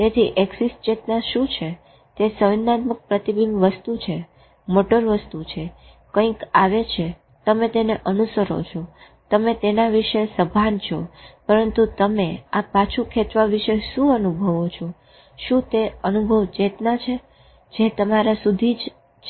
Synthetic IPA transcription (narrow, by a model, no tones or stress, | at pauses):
t̪et̪ʰiʔeksisʈd͡ʒet̪naʃũt͡ʃʰe | t̪esəʋnːat̪mək̚pɾət̪ibinʋəst̪ut͡ʃʰe | moʈəɾʋəst̪ut͡ʃʰe | kə̃ĩkaʋet͡ʃʰe | t̪əmet̪eneʔənusəɾo̰t͡ʃʰo | t̪əmet̪enaʋiʃesəbʱant͡ʃʰɔ̰pəɾənt̪ut̪əmeapat͡ʃʰũkʰet͡ʃ̪ʋaʋiʃeʃũənubʱəʋot͡ʃʰõ | ʃũt̪eənubʱəʋd͡ʒet̪nat͡ʃʰe | d͡ʒet̪əmaɾasud̪ʱid͡ʒ